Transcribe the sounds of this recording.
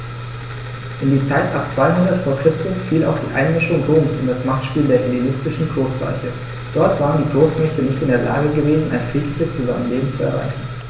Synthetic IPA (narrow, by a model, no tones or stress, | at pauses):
ʔɪndiːt͡saɪtʔap̚t͡sv̥aɪɦʊndɐtfoːɐkʁ̥ɪstʊsfiːla̰ʊxd̥ḭːʔa̰ɪnmɪʃʊŋʁoːmsʊndasmaχtʃpiːldeːɐhelinɪstɪʃn̩ɡʁoːsl̥a̰ɪçə | d̥ɔɐtv̥aːʁəndiːɡʁoːsmɛçtənɪçtɪndeːɐla̰ːɡəɡəveːzn̩ʔa̰ɪnfʁ̥iːtʰlɪçəst͡suza̰mənleːbm̩t͡suɛ̰ɐʁa̰ɪçn̩